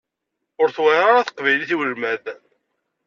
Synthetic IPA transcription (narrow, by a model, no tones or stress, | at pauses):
ʊɾθwæɾaɾaθə̥qvæjliθiwəlmæð